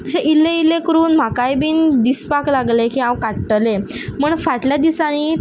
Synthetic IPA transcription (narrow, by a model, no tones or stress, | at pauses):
t̪əɕẽʔilːeilekəɾuːnm̤akajbiːnd̪ispaklaɡlekiːãwkaʈʈəleməːɳfaʈljad̪isañi